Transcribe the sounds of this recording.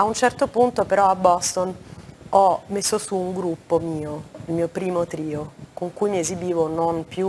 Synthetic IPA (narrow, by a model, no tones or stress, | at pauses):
aunt͡ʃɛrt̪opunt̪opeɾɔabːɔst̪onɔmesːosuːŋɡɾupːomiːoilmiːopɾiːmot̪ɾiːokoŋkujmiezibiːvononpju